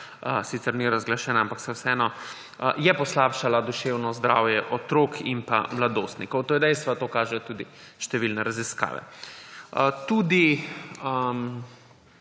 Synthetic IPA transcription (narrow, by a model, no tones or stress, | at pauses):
əsiːt̪sɛɾniɾazɡlaʃɛːnaampaksɛwsɛɛːnɔ | jɛpɔslaːpʃalad̪uʃewnɔzd̪ɾa̰ːwjɛʔɔt̪ɾoːkʰimpa̰mlad̪oːst̪nikɔwt̪oːjɛd̪ɛjst̪ʋat̪oːkaːʒɛjɔt̪uːd̪iʃt̪ɛʋilnɛɾaziska̰ːʋɛ̰ | ət̪uːd̪iəm